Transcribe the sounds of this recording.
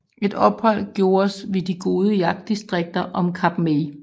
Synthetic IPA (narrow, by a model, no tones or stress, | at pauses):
ʔe̝d̥ɒ̽b̥hɒ̽l̰ɡ̥jo̝ːɐsʋe̝diɡ̥o̝ːð̞ˠəjɑ̈ɡ̥̚d̥isd̥ʁeɡ̥̚d̥ɐʔɒ̽mkʰɑ̈b̥me